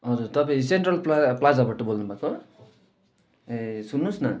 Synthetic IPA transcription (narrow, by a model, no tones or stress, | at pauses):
ʌd͡zurt̪ʌpãĩseɳʈrʌlplaplad͡zabaʈʌbolnubʱako | esunːusnʌ